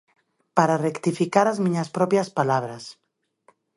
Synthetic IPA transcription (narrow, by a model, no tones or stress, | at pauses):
paɾarekt̪ifikaɾazmĩɲaspɾopjaspalaβɾas